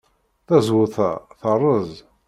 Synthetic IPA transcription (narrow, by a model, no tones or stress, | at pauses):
θæzwʊθæ̰θərˤːəzˤ